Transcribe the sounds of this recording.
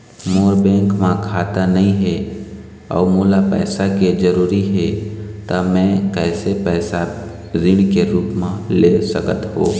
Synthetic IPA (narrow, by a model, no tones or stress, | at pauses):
moːɾbɛ̃ːŋkmãkʰaːt̪anɐɦĩɦɛ | ɔ̰ːɾmoːlapɛ̰ːsaked͡ʒəɾuːɾiɦɛt̪amɛ̃kɛːsepɛːsa | ɾɪɽ̃keɾuːpmãlesəkət̪ɦoː